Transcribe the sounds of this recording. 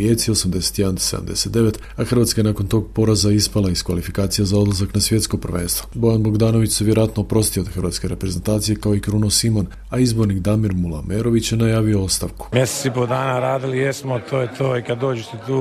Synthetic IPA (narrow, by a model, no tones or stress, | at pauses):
jet̪sio̞samd̪e̞se̥t̪jeand̪se̞d̪a̰md̪e̞̰set̪d̪e̞ʋe̞t̪ | axɾr̩ʋat̪kae̞nako̞nt̪o̞ɡ̚po̞ɾazaispalaiskʋalifikaːt̪sijazao̞d̪lˠazaknasʋjet̪sko̞pr̩ʋeːnst̪ʋobo̞janbo̞ɡd̪aːno̞ʋit͡ɕseʋjeɾojat̪no̞ːpɾo̞st̪ijod̪xərɾʋaːt̪ske̞ɾe̞pɾe̞ze̞nt̪aːt̪sijekao̞ikɾunosimo̞n | aizbo̞ɾnikd̪amiɾmulˠa̰meɾo̞ʋit͡ɕjenajaːʋio̞ost̪aʋku̥mʲjeset̪ipod̪aːnaɾaːd̪ilijesmot̪ʰoːjet̪oːikad̪ːo̞ːd͡ʒeset̪uː